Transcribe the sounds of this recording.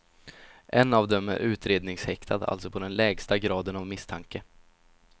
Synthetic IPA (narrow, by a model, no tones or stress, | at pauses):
ʔɛnːavd̪ɛmæ̰ɾʔʉ̟ːt̪ɾeːd̪nɪŋshɛkt̪ʰad̪a̰lt̪sɔpʰɔd̪ɛnlɛːɡst̪aɡɾɑːd̪ənavmɪst̪ʰaŋkə